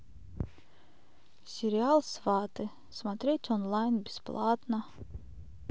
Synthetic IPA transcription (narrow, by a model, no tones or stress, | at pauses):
sʲɪɾʲɪalˠsvat̪ɨ | smat̪ɾʲet̪ʲɔnlˠajnbʲɪsplˠat̪nɐ